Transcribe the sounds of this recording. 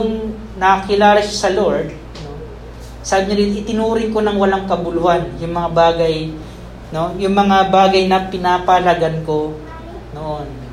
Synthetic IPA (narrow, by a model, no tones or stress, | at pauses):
jʊŋ | nɐɐkɪlaːlɐʃasɐloɹd̪̚ | no | saːbɪɲodɪnʔɪt̪ɪnuːɾɪŋko̞nɐŋwɐlaŋkɐbʊlʊhanjʊŋmɐŋabaːɡɐj | no̞jʊŋmɐŋabaːɡɐjnɐpɪnaːpɐɐlɐɡanko̞ | noʔon